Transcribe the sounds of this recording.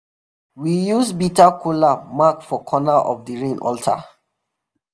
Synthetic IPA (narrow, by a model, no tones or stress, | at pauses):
wijusbitakulamakfɔkʰɔnaʔɔ̰fdəɹẽnɔ̰ltʰa̰